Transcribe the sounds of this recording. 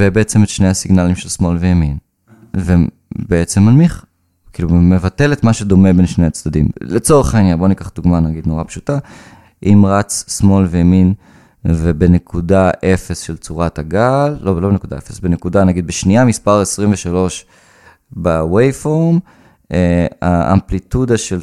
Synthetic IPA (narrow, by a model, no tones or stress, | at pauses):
vebeet͡semet̪ʃne̞jhasiɡnalimʃelsmo̞lveamin | ve | beet͡semalmiχ | kiːlumevatelet̪maʃed̪o̞me̞be̞nʃnejat͡sd̪adḭmlet͡so̞ʁeχainjanbo̞nikaχd̪uɡmanaɡid̪no̞ʁapʃu̥ta | ʔimʁat͡ssmo̞lvejamin | vebenekʰudaʔe̞fesʃelt͡suʁataɡalːolo̞benekud̪a̰ḛfesbenekud̪anaɡid̪beʃniamispaʁesʁimveʃalo̞ʃ | bawejfom | eaʔa̰mplit̪ud̪aʃel